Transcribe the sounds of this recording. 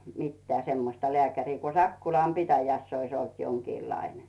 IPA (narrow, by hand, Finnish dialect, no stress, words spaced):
mitːæː semːostɑ lĕæˑkæriː ku sɑkːulɑm pitæjæsː ois olt joŋkiːlɑine